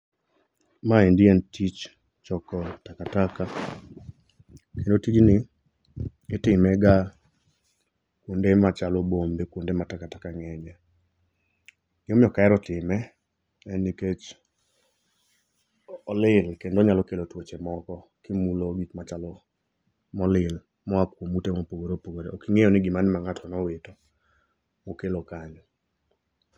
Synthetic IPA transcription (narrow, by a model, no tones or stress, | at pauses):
maendiɛntit͡ʃ | t͡ʃɔkɔtakataka | kendotit͡ʃnɪ | ɪtɪmɛɡa | kwondemat͡ʃalobombekwondematakatakaŋɛɲɛ | jomɪɔkaɛɾɔtɪmɛ | ɛniket͡ʃ | ɔlɪlkendoɲalɔkelotwot͡ʃemɔkɔ | kimuloɡitmat͡ʃalɔ | mɔlɪl | mɔakwomutemopoɡoɾopoɡoɾeokiŋejɔnɪɡɪmanɪmaŋatʰɔnɔweto | mokelokaɲ